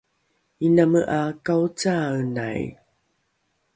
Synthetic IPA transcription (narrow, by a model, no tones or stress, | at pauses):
inaməʔakawt͡sana̰j